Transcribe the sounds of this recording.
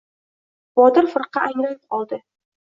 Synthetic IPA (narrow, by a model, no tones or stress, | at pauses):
bɒd̪ɪɾfɨɾqɑaŋlanɪp̚qɒlˠd̪ɪ